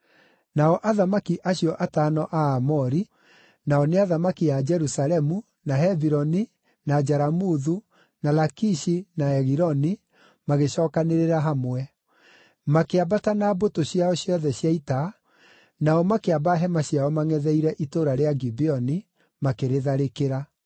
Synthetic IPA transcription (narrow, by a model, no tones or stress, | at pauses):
naɔʔaðamakiʔaɕjɔʔataːnɔʔaːmɔɾi | naɔneaðamakiad͡ʒɛɾusalɛmu | naɦɛviɾɔni | nad͡ʒaɾamuðu | nalakiʃinaɛɣiɾɔni | maɣeɕɔːkaneɾeɾaɦamwɛ | makeabatanabotoɕjaɔɕjɔðɛɕjaita | naɔmakeabaɦɛmaɕiaɔmaŋɛðɛiɾɛʔitoɾaɾeaɡibiɔni | makeɾeðaɾekeɾa